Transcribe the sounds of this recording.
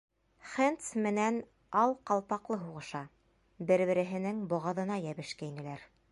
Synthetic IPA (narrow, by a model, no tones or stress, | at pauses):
χent̪smɘ̆næn | ɑlˠqɑlˠpɑqlˠɤɦuʁɤ̆ʃɑ | bɘɾβɘ̆ɾɘ̆ɦɘ̆nɘŋbŏʁɑ̆ðɤ̆nɑjæβɘ̆ʃkæinɘ̆læɾ